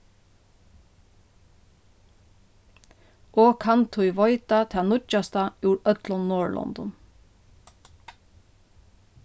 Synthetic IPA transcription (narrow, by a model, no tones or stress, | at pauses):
ʔoːkʰɑnt̪ʰʊjʋɔʏt̪at̪ʰɛːnʊt͡ʃast̪auːɹœt̪lɔnːɔːɹɭʔɔ̰nd̪ɔ̰n